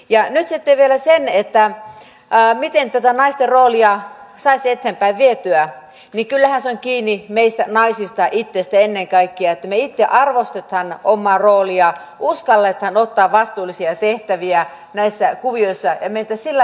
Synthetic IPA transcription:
jɑnyt̪sit̪ːeʋielæsenet̪ːæː | mit̪ent̪æt̪ænɑist̪erroːliɑsɑiset̪ːeːmpæiʋʋiet̪yæ | nikylːæhænseoŋkiːnːimeist̪ænɑisist̪ɑʔit̪ːest̪æenːeŋkɑikːiɑet̪ːæmeit̪ːeʔɑrʋost̪et̪hɑnomːɑːroːliɑ | uskɑlːet̪hɑnot̪ːɑːʋʋɑst̪uːlːˑisiɑt̪eht̪æʋiæ | næisːækuʋioisːɑjɑment̪æssilːæ

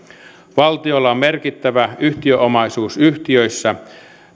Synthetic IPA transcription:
ʋɑlt̪iolːɑommerkit̪ːæʋæyht̪iøʔomɑisuːsyht̪iøjsːæ

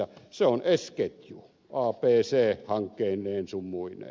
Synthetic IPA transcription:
ɑseonesket̪ju | ɑːpeːseːhɑŋkːˑeːnːˑeːnsumːuinˑḛː

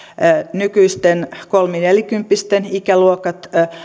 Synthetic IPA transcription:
nykyist̪enkolmineljkympːist̪enikæluokɑt̪

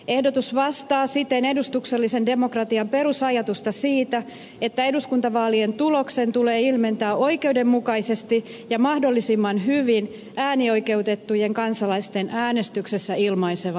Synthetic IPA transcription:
e̞hdo̞t̪usʋɑst̪ɑːsit̪ene̞dust̪ukselːise̞nde̞mo̞krɑt̪iɑmpe̞rusɑjɑt̪ust̪ɑsiːt̪æ | e̞t̪ːæe̞duskunt̪ɑʋɑːlient̪ulo̞kse̞nt̪uleːilme̞nt̪æːo̞ike̞ude̞mːukɑise̞st̪i | jɑmɑhdo̞lːisimːɑnɦyʋin | æːnio̞jke̞ut̪e̞t̪ːuje̞ŋkɑnsɑlɑist̪e̞nʔæːne̞st̪ykse̞sːæilmɑiseʋɑ

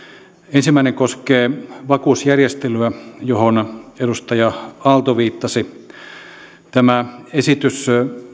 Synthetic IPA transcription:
ensimːæˑineŋkoskeːʋɑkuːsjærjest̪elyæjohonedust̪ɑjɑɑlt̪oʋiːt̪ːɑsi | t̪æmæesit̪ys

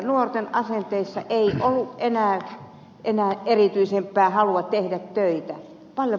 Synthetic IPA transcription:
nuort̪enʔɑsent̪eisːɑ̰ʔeiʔolːuʔʔenæː | ʔenæːʔerit̪yisempːˑæːhɑluɑt̪t̪ehdæt̪tøit̪æ | pɑljo

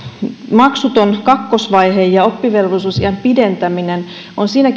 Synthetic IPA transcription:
mɑksut̪o̞nkɑkːosʋɑjɦejjɑo̞pːiʋe̞lʋosusiɑmpide̞nt̪æminen | onsiːnæk

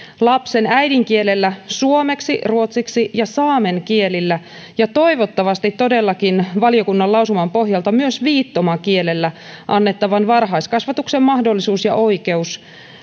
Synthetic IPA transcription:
lɑpse̞næjdiŋkielelːæsuome̞ksiruo̞t̪siksijɑsɑːme̞ŋkie̞lilːæ | jɑt̪o̞iʋo̞t̪ːɑʋɑst̪it̪ːo̞de̞lːɑkinʋɑlijo̞kunːɑlɑusumɑmpo̞hjɑlt̪ɑmyøsʋiːt̪ːomɑkielelːæʔɑnːe̞t̪ːɑʋɑnʋɑrɦɑjskɑsʋɑt̪uksemmɑhdo̞lːisuːsjɑ̰ʔo̞jke̞us

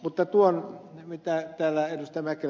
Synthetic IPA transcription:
mut̪ːɑt̪uonmit̪æt̪æːlːæedust̪mæke

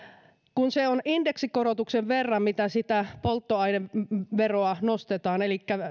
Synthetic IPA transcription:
kunseonindeksikoɾot̪ukseʋʋerːɑmmit̪æsit̪æpolt̪ːoɑineʋeroɑnost̪et̪ɑːnelikːæ

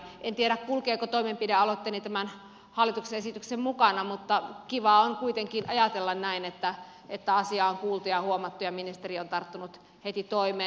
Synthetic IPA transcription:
ʔent̪ieɾækkulkeːkot̪oimempideɑlot̪ːelit̪æmæn | hɑlːˑit̪ukseesit̪yksemmukɑnɑmut̪ːɑkiʋɑoŋkuit̪eŋkinʔɑjɑt̪elːɑnnæinet̪ːæ | ʔet̪ːæɑsiɑoŋkuːlt̪ujɑhuomɑt̪ːujɑminist̪eriont̪ɑrt̪ːunut̪ | het̪it̪oimeːn

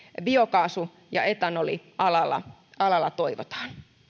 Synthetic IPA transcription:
biokɑːsu | jɑ̰et̪ɑnoliɑlɑlːˑɑ̰ɑlɑlːɑt̪oiʋo̰t̪ɑ̥ːn

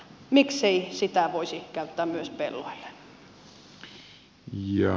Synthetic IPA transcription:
mikseisit̪æʋoisikæyt̪ːæːmyøspḛlːo̰ilːe̥ | jɑ

